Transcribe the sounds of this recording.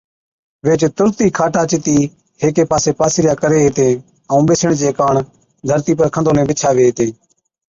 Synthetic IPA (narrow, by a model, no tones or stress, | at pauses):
ʋeːt͡ʃt̪ʊɾt̪iːkʰaːʈaːt͡ʃɪt̪iː | heːkeːpaːseːpaːsɪɾɪjaːkəɾeːeːt̪eː | əũːɓeːsəɳt͡ʃeːkaːɳ | d̪ʱəɾt̪iːpəɾkʰə̃nd̪oːnẽːbɪt͡ʃʰaːʋeːeːt̪ẽː